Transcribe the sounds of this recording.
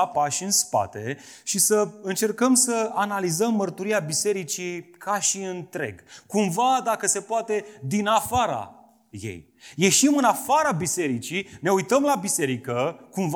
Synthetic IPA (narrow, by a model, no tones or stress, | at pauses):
apaʃɨnspa̰t̪e̞ | ʃisəɨnt͡ʃe̞rkəmsəanalizəmːərt̪uɾiabise̞ɾit͡ʃikʰaʃiɨnt̪ɾe̞̰ɡkumvad̪akəse̞poat̪e̞d̪inafaɾa̰ | je̞̰j | je̞ʃimɨnafaɾabise̞ɾit͡ʃine̞ujt̪əmlabise̞ɾikəkumv